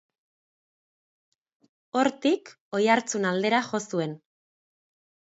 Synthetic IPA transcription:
o̞ɾt̪ik | o̞jaɾt͡sunald̪e̞ɾaxo̞sue̞n

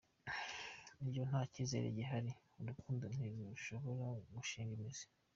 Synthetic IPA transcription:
iɾɟon̥haːciːze̞̰ɾḛɟiɦaɾi | ɾukʰuːndun̥iɾuuʃo̞βo̞ɾaɡuʃiːŋɡimizi̥

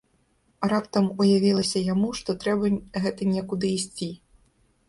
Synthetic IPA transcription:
ɾapt̪ɐmujavʲilˠɐsʲɐjamuʂt̪ɔt̪ɾɛbɐɣɛt̪ɐnʲɛkud̪ɨːsʲt͡sʲi

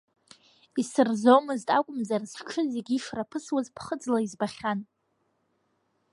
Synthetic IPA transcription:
isɨrzomɨztʼakʷʼʊmzarzʈ͡ʂʰɨzeɡʲifrapʰɨswazpʰχəd͡zlaizbaχʲan

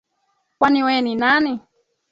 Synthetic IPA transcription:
pwaniweninanɪ

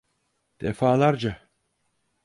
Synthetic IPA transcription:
d̪̥ɛfaːlaɾd͡ʒa

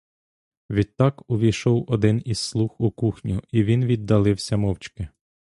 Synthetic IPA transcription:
ʋʲid̪̚t̪ːɑkʊʋʲijʃɔwɔd̪ɪniz̥slˠuxukuxnʲuiʋʲinʋʲid̪ːɐlˠɪwsʲɐmɔwt͡ʃkɪ

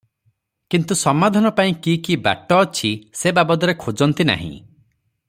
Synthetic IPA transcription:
kint̪usɔmad̪ʱanɔpaĩkikiba̰ʈɔːt͡ʃʰisebabɔd̪ɔɾekʰud͡ʒɔnt̪ina̰ɦḭ̃

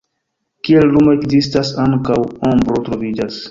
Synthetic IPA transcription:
kiellumoekzistasaŋkawombɾo̞tɾo̞vid͡ʒas

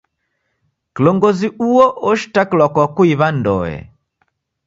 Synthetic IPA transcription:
kilɔŋɡɔziuɔʔɔʃi̥takilwakwakuiβandɔ̰ɛ̰

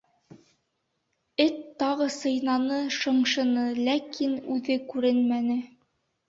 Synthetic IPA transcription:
ɘt̪ːɑʁɤsɤ̆jnɑnɤʃɤ̆ɴʃɤ̆nɤlækinʉðɘkʉɾɘnmænɘ

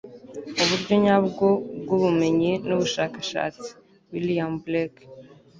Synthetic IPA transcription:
uβuɾɟo̞ɲabɡob̚ɡuβume̞ɲinuβuʃaːkaʃa̰ːt͡si̥ | wiliamblak

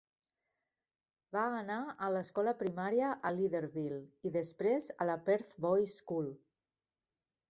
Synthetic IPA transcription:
baːnaələskɔləpɾimaɾiəʔəliðəɾβiliðəspɾezələpɛɾθbɔjskul

